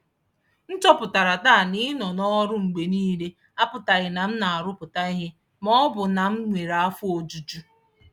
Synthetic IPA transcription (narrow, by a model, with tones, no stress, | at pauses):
n̩˦t͡ʃɔ˦pʊ˨ta˨ɾa˨ta˦˨nɪ˦nɔ˨nɔ˦ɾʊ˦ŋ͡m̩˨ɡ͡be˨niː˦le˦ | a˦pʊ˨ta˨ɣɪ˨na˨m̩˦na˨a˨ɾʊ˦pʊ˨ta˦ɪ˦ɦɪ˦ | mɔ˦bʊ˨na˨m̩˦ŋʷe˨ɾa˨a˦fʊ˦o˨d͡ʒu˨d͡ʒu˦